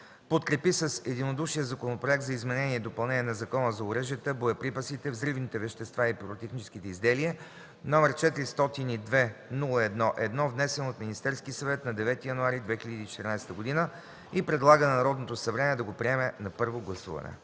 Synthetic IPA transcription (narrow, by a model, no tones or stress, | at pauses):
pot̪kɾɛpisəsɛd̪inod̪uʃijəzɐkonopɾoɛk̚t̪zɐizmɛnɛniɛd̪opɐlˠnɛniɛnɐzɐkɔnəzɐʊɾəʒijət̪əboɛpɾipəsit̪ɛvzɾivnit̪ɛvɛʃt̪ɛst̪vaipɾot̪ɛxnit͡ʃɛ̥skit̪ɛizd̪ɛliɛ | nɔmɛɾt͡ʃɛt̪iɾist̪ɔt̪inid̪vɛnulˠəɛd̪nɔʔɛd̪nɔvnɛsɛnoot̪minist̪ɛɾskisɐvɛt̪nɐd̪ɛvɛt̪ijɐnuaɾid̪vɛxiʎʲəd̪iːt͡ʃɛ̥t̪əɾnajst̪əɡod̪inə | ipɾɛd̪lˠaɡənɐnɐɾɔd̪not̪osɐvɾɛnɛd̪ɐɡopɾiɛmɛnɐpɤɾvoɡlˠɐsṵvɐ̰nɛ̰